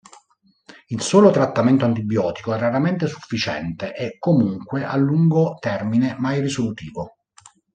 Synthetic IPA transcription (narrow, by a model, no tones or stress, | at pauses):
ilsoːlot̪ɾat̪ːament̪oant̪̬ibjɔːt̪ikoɛrːaɾament̪esu̥fːit͡ʃɛ̰nt̪eʔɛkːomuŋkweʔa̰lːuŋɡot̪ɛrminemajrisolut̪iːvo